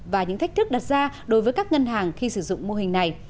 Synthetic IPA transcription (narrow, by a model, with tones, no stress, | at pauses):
vaː˨˩ɲɨ̰˧˥ŋt̪a˦˥k̟̚t̪ɨ˦˥k̚ɗa˨˩t̚zaː˧ɗo˨˦jvəː˨˦jkaː˦˥k̚ŋə˧nɦaː˨˩ŋxi˧sɨ˧˩zʊ̰˧˨ŋ͡mmo˧ɦï˨˩ŋ̟na˨˩j